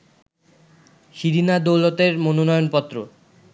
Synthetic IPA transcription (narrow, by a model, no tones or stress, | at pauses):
ʃiɾinad̪owlot̪eɾmononɔjonpɔt̪ːɾo